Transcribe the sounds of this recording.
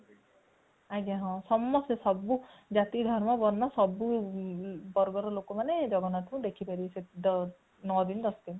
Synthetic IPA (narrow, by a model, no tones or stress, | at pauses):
aɡaɦɔ̃sɔmːɔsesɔbu | d͡ʒat̪id̪ʱɔɾmɔbɔɾnɔsɔbu | bɔɾɡɔɾɔlokɔmaned͡ʒɔɡɔnat̪ʰũd̪ekʰipaɾised̪ | nɔd̪ind̪ɔsd̪in